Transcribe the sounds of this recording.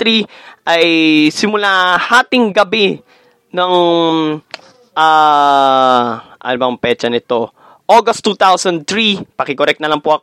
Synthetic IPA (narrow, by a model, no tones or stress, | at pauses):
ɾiʔɐjsɪmʊlahaːt̪ɪŋɡɐbi | nɐŋ | ʔa | ʔɐ̰nʊbɐŋpɛt͡ʃɐnɪt̪o̞ | ʔoɡɐst̪ːuːt̪awsɐnd̪̚t̪ɾipɐkɪkoɾɛk̚t̪nɐlɐŋpoʔɐk